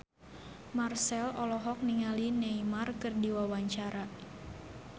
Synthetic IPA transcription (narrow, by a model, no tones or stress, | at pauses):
marsɛlɔlɔɦɔk̚niŋalinɛimarkɨrdiwawaɲt͡ʃaɾa